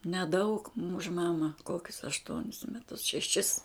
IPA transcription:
nʲɛˈdɐʊk ʊʃ ˈmɑːmɐ ˈkoːkʲʊs ɐʃˈtuɔnʲɪs mʲɛˈtʊs ʃʲɛˈʃʲɪs

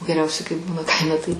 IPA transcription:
ɡʲɛˈrʲɛʊsʲɛɪ kɐɪ ˈbuːnɐ ˈkɐɪmʲɛ tɐɪ

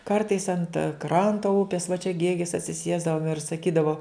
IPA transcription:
ˈkɐrtɐɪs ɐnt ˈkrɐntoː ˈʊpʲeːs ʋɐ t͡ʃʲɛ ˈɡʲeːɡʲɪs ɐtʲsʲɪˈsʲiɛzdɐʋoːm ɪr sɐˈkʲiːdɐʋoː

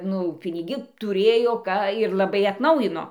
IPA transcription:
nʊ pʲɪnʲɪˈɡʲɪ tʊˈrʲeːjoː ˈkɑː ɪr lˠɐˈbɐɪ ɐtˈnɐʊjɪnoː

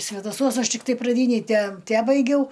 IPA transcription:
sʲʋʲɛdɐˈsuɔs ˈɐʃ tʲɪkˈtɐɪ prɐˈdʲiːnʲɛj tʲɛ ˈtʲæːbɐɪɡʲɛʊ

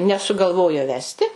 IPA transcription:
nʲɛsʊɡɐlˠˈʋoːjoː ˈʋʲæːsʲtʲɪ

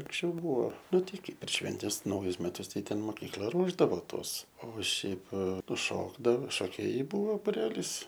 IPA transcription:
ɐŋksʲˈt͡ʃʲɛʊ ˈbuɔ ˈnʊ ˈtɐɪ ˈkɐɪ pʲɛr ˈʃʲʋʲɛnʲtʲɛs ˈnɐʊjʊs mʲɛˈtʊs ˈtɐɪ ˈtʲɛn moːkʲiːkˈlˠɐ ˈruɔʒdɐʋoː ˈtuɔs oː ˈʃʲɛɪp ˈnʊ ˈʃoːɡdɐʋoː ʃoːˈkʲeːjɛɪ ˈbʊʋoː bʊˈrʲæːlʲiːs

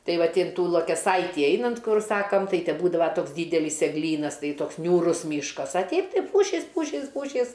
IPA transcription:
ˈtɐɪ ˈʋɐt ɪnˈtuː lˠuɔkʲɛˈsɐɪtʲiː ˈɛɪnɐnt ˈkʊr ˈsɑːkɐm ˈtɐɪ tʲɛ ˈbuːdɐʋɐ ˈtoːks ˈdʲiːdʲɛlʲɪs ɛɡˈlʲiːnɐs ˈtɐɪ ˈtoːks nʲuːˈrʊs ˈmʲiːʃkɐs ɐ ˈtʲɛɪp ˈtɐɪ ˈpuːʃʲiːs ˈpuːʃʲiːs ˈpuːʃʲiːs

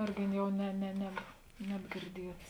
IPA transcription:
ˈɪrʲɡʲɪ ˈjɛʊ nʲɛ nʲɛ ˈnʲɛp nʲɛbʲɡʲɪrʲˈdʲiɛts

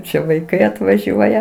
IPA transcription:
ˈt͡ʃʲɛ ʋɐɪˈkɐɪ ɐtʋɐˈʒʲuɔjɛ

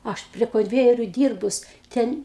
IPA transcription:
ˈɐʃ pʲrʲiɛ koːnʲˈʋʲæːjɛrʲʊ ˈdʲiːrbʊs ˈtʲɛn

